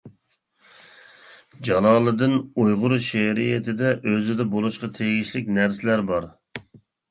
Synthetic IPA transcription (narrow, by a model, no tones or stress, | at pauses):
d͡ʒɑlˠɑːlˠɨd̪ɨnojʁʊɾʃɛɾijɪt̪ʰɪd̪ɛʔøzɪd̪ɛbolˠuʃqɑt̪ʰeɡʲiʃlɪkʲnæɾsɪlæɾbɑɾ